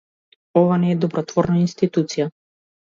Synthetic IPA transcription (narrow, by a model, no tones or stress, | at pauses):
ɔvanɛːd̪ɔbɾɔt̪vɔɾnainst̪it̪ut̪sija